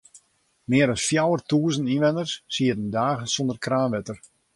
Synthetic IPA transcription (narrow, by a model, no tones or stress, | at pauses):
mɪəɾɔsfjawərtuːəzəninʋɛnərsːiətəndaːɣənsɔndərkraːnʋɛtər